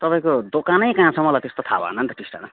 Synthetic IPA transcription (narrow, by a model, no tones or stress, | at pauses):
t̪ʌpaĩkod̪okanʌjkãːt͡sʰʌmʌlajt̪est̪ot̪ʰa̰bʌ̰nʌnt̪ʌʈisʈa̰na